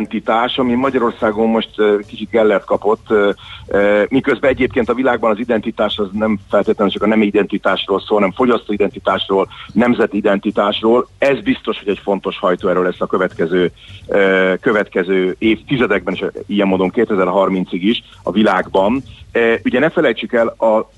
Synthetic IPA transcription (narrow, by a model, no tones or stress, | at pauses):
nt̪it̪aːʃɒmimɒɟɒɾo̞rsaːɡo̞mːo̞ʃt̪ːkit͡ʃit̪̚ɡɛlːɛrt̪̚kɒpo̞t̪ː | mikø̞zbɛɛɟeːpkeːnt̪ɒvilaːɡbɒnɒzid̪ɛnt̪it̪aːʃɒznɛmfɛlt̪eːt̪lɛnynt͡ʃɒkɒnɛmiid̪ɛnt̪it̪aːʃroːlsoːlhɒnɛmfo̞ɟɒst̪oːid̪ɛnt̪it̪aːʃroːlnɛmzɛt̪id̪ɛnt̪it̪aːʃroːlɛzbist̪o̞ʃho̞ɟɛcfo̞n̪t̪o̞ʃhɒjt̪oːɛɾøːlɛsːɒkøvɛt̪kɛzøːøkøvɛt̪kɛzøːeːft̪izɛd̪ɛɡ̚bɛneʃijɛmːoːd̪o̞ŋkeːt̪ɛzɛrɦɒrmint̪siɡiʃ | ɒ̰vilaːɡbɒnyɟɛnɛfɛlɛjt͡ʃykɛlɒ